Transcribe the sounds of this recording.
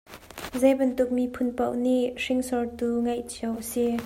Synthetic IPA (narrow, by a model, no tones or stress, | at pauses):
zɛjbɐnt̪ʊk̚mipʰʊnpɐwʔniʔʂɪŋsɔɹt̪uŋɐjt͡ɕʰiəwʔəsi